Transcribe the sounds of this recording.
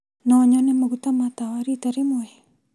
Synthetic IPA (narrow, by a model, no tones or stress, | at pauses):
nɔɲɔnemaɡut̪amat̪awaɾit̪aɾemoe